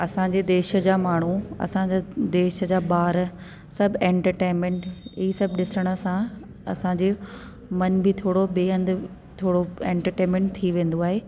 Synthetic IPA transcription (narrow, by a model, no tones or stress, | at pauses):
ɐsãd͡ʑeːd̪eːʃə̆d͡ʑaːmaːɳ̤uɐ̰sãd͡ʑad̪eːʃə̆d͡ʑaːbaːɾ | sɐbʱẽːɳʈəɾʈẽːnmẽɳʈɪisɐbɪɗɪsəɽ̃ə̆sã | ɐ̰sãɲd͡ʑeː | mɐnbɪt̪ʰoːɽobeːə̃nd̪ | t̪ʰoːɽoẽːɳʈəɾʈẽːnmẽːɳʈ̚t̪ʰiʋẽːn̆d̪oaːɦeː